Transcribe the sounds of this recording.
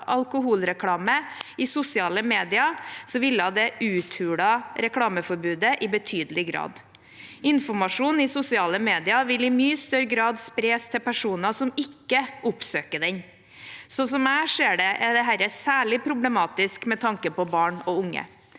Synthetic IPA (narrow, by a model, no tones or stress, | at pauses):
ʔɑlkʊɦuːlɾɛkʰlɑːməɪsʊsɪɑːləmeːd̪ɪɑsɔʋɪlːɑd̪ɛʔʉːt̪ʰhʉːɽɑɾɛkʰɽɑːməfɔɾbʉːd̪əʔɪbət̪ʰyːd̪əlɪɡɾɑ̰ːd̪ | ɪnfɔmɑʂuːnɪsʊsɪɑːləmeːd̪ɪɑʋɪlɪmyːst̪œɾɡɾɑːd̪spɾeːst̪ʰɛpæʂuːnɑsɔmɪkːəʔʊpsøːkəɖ̪ɛɲ | sɔs̬ɔmæːʂeːɖɛʔɛd̪ɛɦæɾɛsæːɭɪpʰɾʊblɛmɑːt̪ɪskmɛt̪ʰɑŋkəpɔbɑːɳɔʊŋːə̰